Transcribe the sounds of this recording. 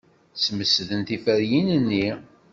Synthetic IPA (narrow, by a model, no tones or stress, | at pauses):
sməsðənt̪ifəɾjinənːi